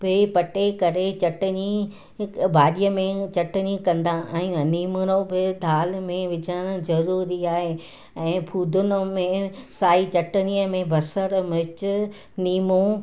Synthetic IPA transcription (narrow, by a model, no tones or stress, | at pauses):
bɪpɐʈekɐɾet͡ɕɐʈəni | bʱaːɗijəmẽt͡ɕɐʈənikɐ̃nd̪ãʔɛ̃ːniːmʊnobɪd̪ʱaːlmẽʋɪd͡ʑʱəɽ̃̆zɐɾuːɾiaːɦe | ɛ̃ːpʰuːd̪ʱʊnʊ̆mẽsaːit͡ɕɐʈəniəmẽbʱɐsəɾmɪt͡ɕʊ | niːmõ